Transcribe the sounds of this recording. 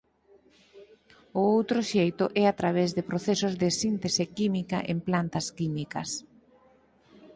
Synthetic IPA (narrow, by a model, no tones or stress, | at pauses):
ʊowt̪ɾʊʃejt̪ʊʔɛat̪ɾaβ̞ɛzðɪpɾoθesʊzðɪsint̪esɪkimikɐ̰ʔemplant̪ɐskimikɐ̰s